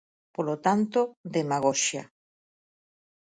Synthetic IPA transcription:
polot̪ant̪od̪emaɣoʃjɐ

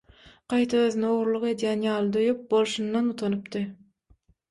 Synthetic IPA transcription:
qɑjt̪ʰɑøðynɛoʁɾlˠuqe̞d̪jænjɑːlˠd̪ojyp̚bolˠʃund̪ɑnut̪ʰonupt̪ɯ

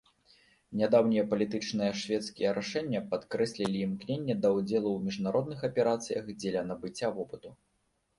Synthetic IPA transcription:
nʲad̪awnʲijɐpɐlʲit̪ɨt͡ʂnɨjɐʂvʲɛt̪skʲijɛɾaʂɛnʲːɐpat̪kɾɛsʲlʲilʲiːmknʲenʲːɛd̪ɐwd͡zʲɛlˠuwmʲiʐnaɾɔd̪̚nɨxɐpʲɛɾat̪sɨjɐxd͡zʲɛlʲɐnɐbɨt͡sʲːavɔpɨt̪u

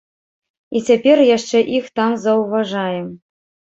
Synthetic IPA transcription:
it͡sʲepʲerʲjæʂt͡ʃɛʔixt̪ɑmzauvɑʐɑjə̆m

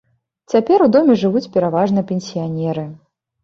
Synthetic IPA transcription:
t͡sʲapʲɛɾud̪ɔmʲɛʐɨvut͡sʲpʲɛɾavaʐnɨɛpʲɛnʲsʲijanʲɛɾɨ

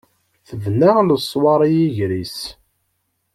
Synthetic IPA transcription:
θəvnaʁləsˤːwɑɾˤijiʝɾis

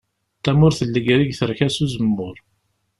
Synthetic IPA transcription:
t̪ːæmʊɾθəlːəɡɾiɡθəɾçæsuzəmːʊɾ

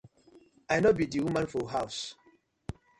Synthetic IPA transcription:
ajnɔbidiwumãnfɔɦaʊs

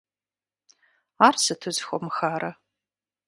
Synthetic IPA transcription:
aːrsɨtʰɨzxʷɔmɨxaːɾɐ

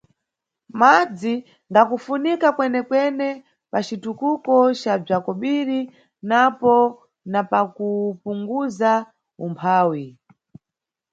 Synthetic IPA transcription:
mad͡zi | ŋɡakufunikakwɛnɛkwɛnɛ | pat͡ʃitukukɔt͡ʃab͡ʐakɔɓiɾi | napɔ | napakupuŋɡuza | umpʰaːwi

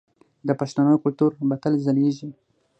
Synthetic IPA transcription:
d̪əpaʃt̪anəjkʊlt̪uɾbat̪alzaleʒi

